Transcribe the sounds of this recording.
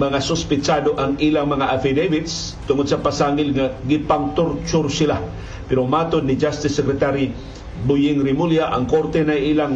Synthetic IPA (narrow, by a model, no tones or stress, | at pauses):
mɐŋasʊspɪt͡ʃad̪oʔaŋilaŋmɐŋaʔafid̪ejvɪt̪s | t̪ʊŋod̪̚sɐpasaŋɪlŋaɡɪpaŋt̪ʊɾt͡ʃʊɾsɪla | pɛɾomaːt̪ʊd̪nɪd͡ʒast̪ɪsːɛkɾɛt̪aɾi | bʊjɪŋɾɪmuljaʔaŋkoɾt̪ɛnajʔilaŋ